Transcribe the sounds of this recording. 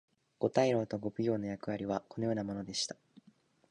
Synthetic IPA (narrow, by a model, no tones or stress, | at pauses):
ɡ̥o̞t̪aiɾo̞ːt̪o̞ɡo̞bɯjo̞ːno̞jakɯ̟βaɾʲiβ̞ako̞no̞jo̞ːnamo̞no̞d̪e̞ɕi̥t̪ḁ